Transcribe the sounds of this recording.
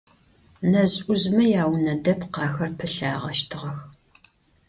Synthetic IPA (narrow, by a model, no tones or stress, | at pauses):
nɐɕʼʊʑmɐjaːwnɐdɐpqɑːxɐrpʰɨɬaːʁɐ̰ʃtʰɨʁɐx